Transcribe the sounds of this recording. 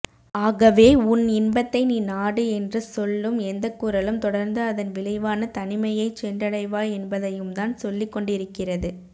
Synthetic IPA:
aːɣɐʋeːʊnɪnbɐt̪ːɐɪniːnaːɽɯɛndrɯsɔlːɯmɛnd̪ɐkːuːɾɐlɯmt̪ɔɽɐɾnd̪ɯɐðɐnʋɪɭɐɪʋaːnɐt̪ɐnɪmɐjɐɪt͡ʃɛndɐɽɐɪʋaːɛnbɐðɐjɯmt̪aːnsɔlːɪkːɔɳɖɪɾɯkːɪrɐðɯ

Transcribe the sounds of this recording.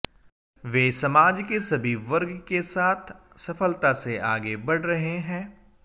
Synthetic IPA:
ʋeːsɐmaːd͡ʒkesɐbʱiʋɐɾɡkesaːt̪ʰ | sɐfəlt̪aseʔaːɡebɐɽ̤ɾɐɦeɦɛ̃ː

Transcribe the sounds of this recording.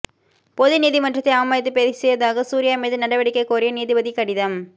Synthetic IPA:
pɔðɯniːðɪmɐʈrɐt̪ːɐɪɐʋɐmaːjɐt̪̬ːɯpeːðɪsɛjʋɐðaːɣɐsuːɾɪjaːmeːðɯnɐɽɐʋɐɽɪkːɐɪkoːɾɪjɐniːðɪbɐðikɐɽɪðɐm

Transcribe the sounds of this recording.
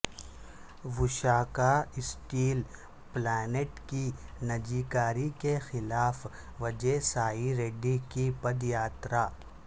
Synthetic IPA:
ʋʊʃaːkaɪsʈiːl | plɛːneʈkinɐd͡ʒiːkaːɾikexɪlaːf | ʋɐd͡ʒesaːiɾeːɖikipɐd̪jaːt̪ɾaː

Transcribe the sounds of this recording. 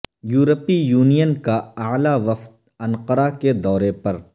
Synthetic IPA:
juːɾəpijuːnijənkaaːlaʋɐft̪̚ | ɐ̃nqəɾaked̪ɔːɾepɐɾ

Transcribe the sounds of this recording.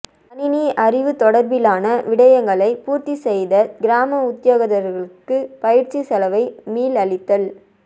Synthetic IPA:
ɐnɪniʔɐɾɪʋɯt̪ɔɽɐɾbɪlaːnɐʋɪɽɐjɐŋɡɐɭɐɪpuːɾt̪isɛjðɐɡɪɾaːmɐʊt̪ːjoːɣɐðɐɾɣɐɭɯkːɯpɐjɪɾt͡ʃisɐlɐʋɐɪmiːlɐɭɪt̪ːɐl

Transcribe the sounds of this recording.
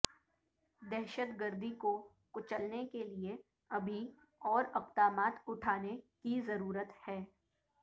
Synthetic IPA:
d̪ɛɦʃət̪ɡəɾd̪ʱiko | kʊt͡ʃəlnekelie | ɐbʱi | ɔːɾɐqt̪aːmaːt̪ʊʈʰaːnekizɐɾuːɾət̪hɛː

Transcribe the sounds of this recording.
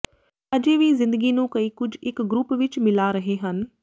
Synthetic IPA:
ɐd͡ʒeːʋizɪ̃nd̪əɡinũːkɐiːkʊd͡ʒʱɪkɡɾʊpʋɪt͡ʃmɪlaɾɐɦeɦən

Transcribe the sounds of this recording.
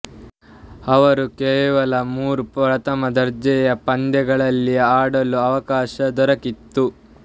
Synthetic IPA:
ɐʋɐɾukɛːʋɐlɐmuːɾupɾɐt̪ɐmɐd̪ɐɾd͡ʒɛjɐpɐnd̪ɛɡɐɭɐlːiaːɽɐluɐʋɐkaːʃɐd̪ɔɾɐkit̪ːu

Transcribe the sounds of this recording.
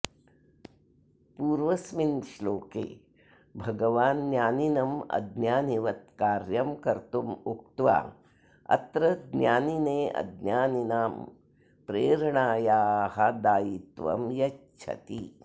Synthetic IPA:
puːɾʋɐsminʃloːkḛː | bʱɐɡɐʋaːnːjaːninɐmɐ̰d̪njaːniʋɐt̪̚kaːɾjɐmkɐɾt̪umuk̚t̪ʋa̰ː | ɐ̰t̪ɾɐd̪njaːnineːɐ̰d̪njaːninaːm | pɾeːɾɐɳaːjaːhɐd̪aːjit̪ʋɐ̰mjɐt͡ʃʰɐ̰t̪i

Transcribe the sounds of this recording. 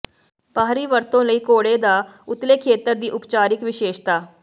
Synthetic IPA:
paːɾiːʋəɾt̪õːləiːkoːɽeːd̪aːʊt̪leːkʰːeːt̪əɾd̪iːʔʊpt͡ʃaːɾɪkʋɪʃeːʃt̪aː

